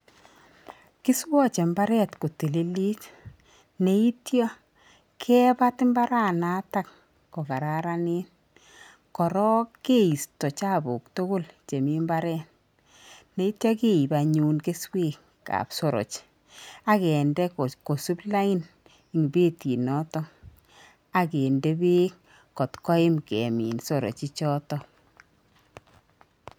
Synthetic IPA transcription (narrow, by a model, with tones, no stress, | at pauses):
ki˦swɔ˦t͡ʃe˨mba˦ɾɛ˦˨tko˨ti˨li˦li˦t | ne˨i˦tjɔ˦ | kʰɛ˦ba˦tɪ˦mba˦ɾa˦na˦ta˦˨k | kɔ˨ka˨ɾa˦ɾa˦ni˦n | kɔ˨ɾɔ˦ke˦i˨stɔ˨t͡ʃa˦˨bo˨kto˦ɡo˦lt͡ʃe˨mi˦mba˦ɾɛ˦t | ne˦i˦tjɔ˦ke˦i˨ba˨ɲuː˦nke˦sweː˦˨k | ka̰˨pso˨ɾo̰˨t͡ʃ | a˦kɛ˨ndɛ˦kko˨su˦pla˦ɪ˦n | i˨ŋi˨beː˦ti˨nɔ˦tɔ˦ | a˨ke˨nde˦be˦k | kːɔ˨tkɔ˦ɪ˦mkɛ˨mḭː˨nso˦˨ɾo̰˨t͡ʃi˦t͡ʃɔ˦tɔ˦